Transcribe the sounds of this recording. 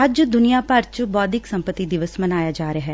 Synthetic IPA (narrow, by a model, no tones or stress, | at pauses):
əd͡ʒd̪ʊnijaːpəɾt͡ʃbɔːd̪ɪksə̃mpət̪iːd̪ɪʋəsmənaːjaːd͡ʒaːɾeaɦɛː